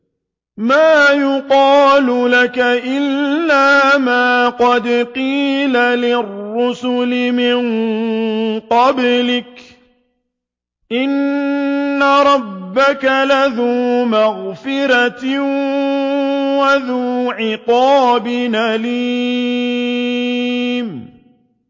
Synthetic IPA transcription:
maːjʊqɑːlʊlakaʔɪlːaːmaːqɑd̪qiːlalɪrːʊsʊlɪmɪŋ | qɑblɪk | ʔɪnː | aɾˤɑbːakalaðuːmaɣfɪɾat̪ | waðuːʕɪqɑːbɪnaliː | m

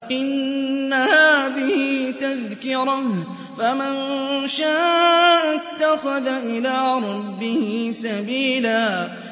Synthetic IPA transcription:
ʔɪnːahaːðɪhɪt̪aðkɪɾɑ | famɪnʃaːʔat̪ːaxʊðaʔɪlaːɾˤɑbːɪhɪsabiːlaː

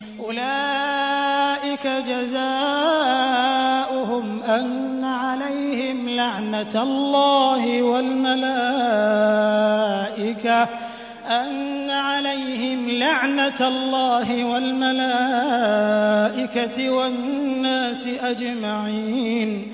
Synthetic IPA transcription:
ʔʊlaː | ʔɪkad͡ʒazaː | ʔʊɦʊmʔanːaʕalajhɪmlaʕnallˤːɑːhɪwalmalaː | ʔɪka | ʔanːaʕalajhɪmlaʕnalˤːɑːɦɪwalmalaː | ʔɪkaɪwanːaːsɪʔad͡ʒmaʕiːn

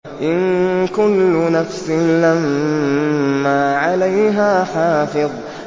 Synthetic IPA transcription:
ʔɪnkʊlːʊnafsɪnlam | aːʕalajɦaːħɑːfɨðˤ

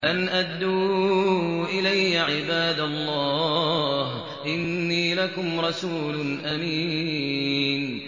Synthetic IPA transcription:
ʔanʔad̪ːuː | ʔɪlajːaʕɪbaːd̪alˤːɑːh | ʔɪnːiːlakʊmɾˤɑsuːlʊnʔamiː | n

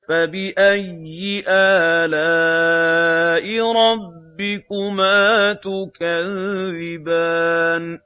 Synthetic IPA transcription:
fabɪʔajːɪʔaːlaː | ʔɪɾˤɑbː | ɪkʊmaːt̪ʊkaððɪbaːn

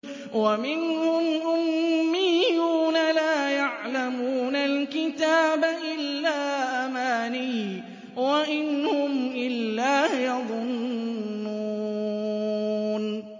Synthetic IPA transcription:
wamɪnhʊmʔʊmːɪjːuːnalaːjaʕlamuːnalkɪt̪aːbaʔɪlːaːʔamaːniː | waʔɪnhʊmʔɪlːaːjɑðˤʊnnːuː | n

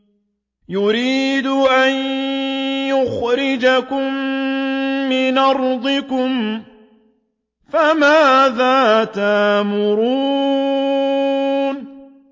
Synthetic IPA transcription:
jʊɾiːd̪ʊʔan | jʊxɾɪd͡ʒakʊmː | ɪnʔɑɾˤd̪ˤɪkʊm | famaːðaːt̪aʔmʊɾuː | n

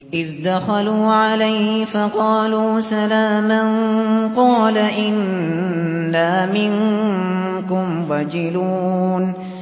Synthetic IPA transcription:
ʔɪðd̪axaluːʕalajhɪfɑqɑːluːsalaːmanqɑːlaʔɪnː | aːmɪŋ | kʊmwaːd͡ʒɪluːn

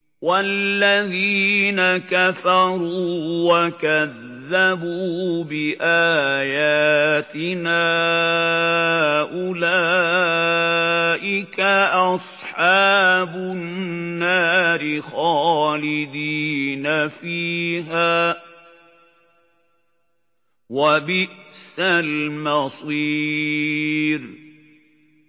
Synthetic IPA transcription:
walːaðiːnakafɑɾuːwakaðː | abuːbɪʔaːjaːt̪ɪnaː | ʔʊlaː | ʔɪkaʔɑsˤħɑːbʊnːaːɾɪxalɪd̪iːnafiːɦaː | wabɪʔsalmɑsˤiː | ɾ

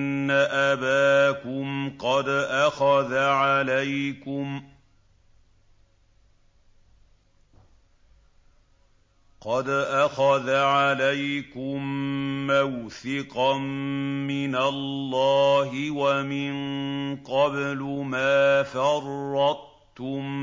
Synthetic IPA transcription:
nːaʔabaːkʊmqɑd̪ʔaxaðaʕalajkʊm | qɑd̪ʔaxaðaʕalajkʊmːawθɪqɑmːɪnalːɑːɦɪwamɪnqɑblʊmaːfɑrˤːɑ | t̪ːʊm

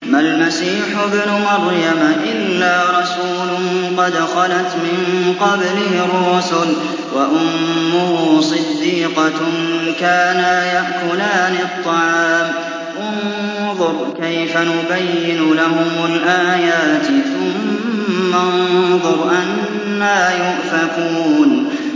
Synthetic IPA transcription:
malmasiːħʊbnʊmɑɾjamʔɪlːaːɾˤɑsuːlʊnqɑd̪xɑlat̪mɪnqɑblɪrˤːʊsʊl | waʔʊmːʊhːsˤɨd̪ːiːqɑkaːnajaʔkʊlaːnɪt̪ˤːɑʕɑːm | ʔʊn | ðˤʊɾˤkajfanʊbajːɪnʊlaɦʊmalʔaːjaːt̪θʊmː | anðˤʊɾˤʔanː | aːjʊʔfakuːn

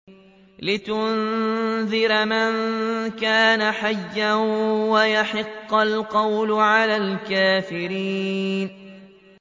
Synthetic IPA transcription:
lɪt̪ʊnðɪɾmɪnkaːnaħajːanwajaħɪqːɑlqɑwlʕalaːlkaːfɪɾiːn

